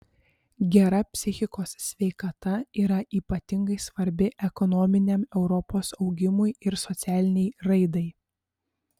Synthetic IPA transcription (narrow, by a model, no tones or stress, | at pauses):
ɡʲɛɾɐpʲsʲɪxʲɪkoːssʲʋʲɛɪkɐt̪ɐiːɾɐʔiːpɐt̪ʲɪŋɡɐɪsʋɐɾʲbʲɪʔɛkɔnɔmʲɪnʲɛmɛʊɾɔpoːsɒʊɡʲɪmʊjɪɾsɔt̪sʲæːlʲɪnʲɛɪɾɐɪd̪ɐɪ